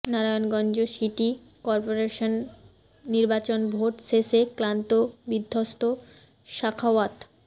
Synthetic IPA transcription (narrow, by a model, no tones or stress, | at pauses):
naɾajonɡɔnd͡ʑoʃiʈi | kɔɾpoɾeʃonː | iɾbat͡ɕonbʱoʈseseklant̪obid̪ʱːost̪o | ʃakʰawat̪